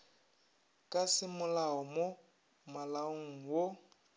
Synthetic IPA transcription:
kʼasɪmʊlaɔmo | malaoŋ̩wo

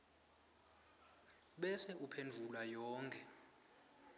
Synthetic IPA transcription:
ɓɛsɛupʰend͡vʱulwajɔːŋkʰʼɛ

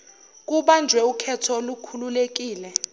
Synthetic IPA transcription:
k̬uɓand͡ʒʱwɛukʰɛtʰɔlukʰululek̬iːlɛ

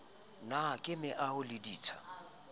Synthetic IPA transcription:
nakʼɪmɪʔahʊlɪdiːt͡sʰḁ̰

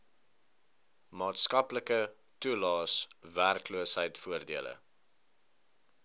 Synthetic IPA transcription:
mɑːtskɐpləkə | tulɑːsværkluəsɦəjtfuərdiələ̰

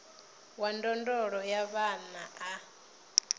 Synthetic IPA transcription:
wandɔndɔɺɔjaβanaʔa

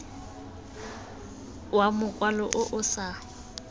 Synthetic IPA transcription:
wamʊkʼwalɔʔʊʔʊsa

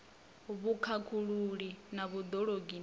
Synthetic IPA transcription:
βukʰakʰuɺuɺinaβud̪ɔɺoɡin

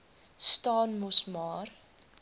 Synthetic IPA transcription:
stɑːnmɔsmɑːr

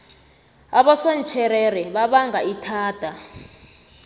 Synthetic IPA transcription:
aɓɔsɔnt͡ʃʰɛɾɛɾɛɓaɓaŋɡaitʰaːd̥ʱa

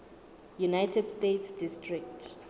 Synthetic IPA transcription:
junajtʰɛdstetʰsdistʰrik̚tʰ

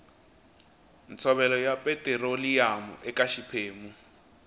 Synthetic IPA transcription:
n̩t͡sʰɔβɛlɔjapʼɛtʼɛɾolijamṵʔɛkʼaʃipʰeːmu

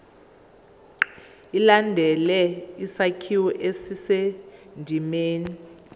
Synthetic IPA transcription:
ilandʱɛlɛisakʰiwɔʔesisendʱimeːni

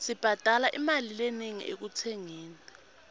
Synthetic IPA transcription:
sib̥ʱad̥ʱalaʔimalileneŋḭʔḛk̬utʰeŋiːnɛ

